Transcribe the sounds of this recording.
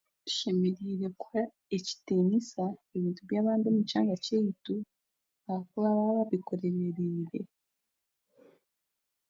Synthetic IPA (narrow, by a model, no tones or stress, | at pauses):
u̥ʃe̞meɾiːɾe̞ka | eci̥teːɲisaeβiːntuβjaːβaːndomucaːŋɡacejitu | aβakulaβaβaβiko̞ɾe̞βeɾeːɾe̞